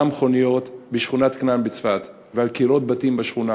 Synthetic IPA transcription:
amχo̞nijo̞t̪beʃχunat̪knanbet͡sfat̪ | vealkiɾo̞t̪̚batimbaʃχuna

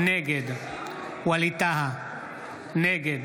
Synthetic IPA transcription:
neɡed̪ | wɐlit̪aɦa | neɡed̪

